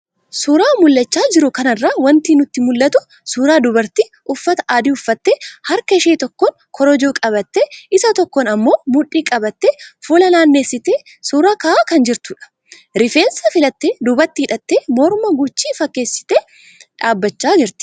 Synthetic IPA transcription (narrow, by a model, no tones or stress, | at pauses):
suːɾaːmʊlːɐt͡ʃːaːd͡ʒɪɾʊkɐnɐrːaːwɐnt̪iːnʊt̪ːɪmʊlːɐt̪ʊ | suːɾaːd̪ʊbɐɾt̪i | ʊfːɐt̪ɐ̥ʔaːd̪iʊfːɐt̪ːeːhɐɾkɐʃeːt̪ɔkːɔn | kʰɔɾɔd͡ʒoːkʼɐβɐt̪ːeɪsɐt̪ɔkːɔnɐmːo̞ːmʊᶑiːkʼɐbɐt̪ːefuːlɐlaːnːeːsːɪt̪eː | suːɾaːkɐʔaːkɐnd͡ʒɪɾt̪ʊᶑɐ̥ | ɾɪfe̞ːnsɐfɪlɐt̪ːeːd̪ʊbɐɾt̪ːɪɪᶑɐt̪ːeːmɔɾmɐɡʊt͡ʃːiːfɐkːe̞ːsːɪ̥t̪eː | ᶑaːbːɐt͡ʃːaːd͡ʒɪɾt̪ɪ̥